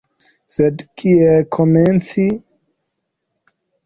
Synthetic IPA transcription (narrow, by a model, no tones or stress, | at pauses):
sedkʰiekʰoment͡si